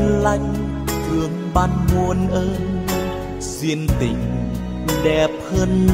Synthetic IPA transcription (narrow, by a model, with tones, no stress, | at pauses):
nla˧˩jŋ̟ | t͡ɕɨ˨˦əŋɓa˧nmu˧ənʔəː˧ | zi˧ənt̪ḭ˨˦ŋ̟ | ɗɛ˨˩p̚həː˧nː